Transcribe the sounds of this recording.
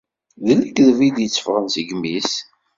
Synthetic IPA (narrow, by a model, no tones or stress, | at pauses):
ðələɡðvid̪jət͡sːə̥fʁənsəɡmːis